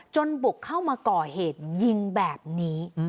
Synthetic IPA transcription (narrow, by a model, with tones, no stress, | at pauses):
t͡ɕo˧nbu˨˩kʰːa˥˩wmaː˧kɔː˨˩heː˨˩t̪̚ji˧ŋbɛː˨˩p̚niː˦˥